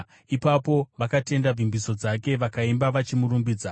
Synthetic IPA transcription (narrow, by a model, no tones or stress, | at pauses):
ipapo̞ʋakate̞ndab͡vimbiso̞d͡zake̞ʋakaimbaʋat͡ʃimuɾumbiːd͡za